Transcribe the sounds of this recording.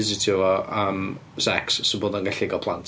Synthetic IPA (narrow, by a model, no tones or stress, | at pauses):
ɪzitʰivɔəm | sɛ̰ksːɪboːdanɡaɬɪɡɔpʰlˠantʰ